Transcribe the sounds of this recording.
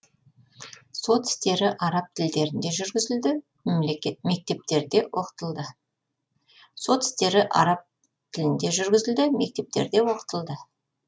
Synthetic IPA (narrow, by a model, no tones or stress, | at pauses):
so̞t̪ɪ̥st̪e̞ɾɪʔɑɾɑp̚t̪ʰɪld̪e̞ɾɪnd̪e̞ʒʏɾɡʲɪzɪld̪ɪ | memlekʲme̞k̚t̪e̞p̚t̪e̞ɾd̪e̞wʔo̞qə̥t̪əlˠd̪ə | so̞t̪ɪ̥st̪e̞ɾɪʔɑ̰ɾɑp̚ | t̪ʰɪlɪnd̪e̞ʒʏɾɡʲɪzɪld̪ɪme̞k̚t̪e̞p̚t̪e̞̰ɾd̪e̞wo̞qə̥t̪əlˠd̪ə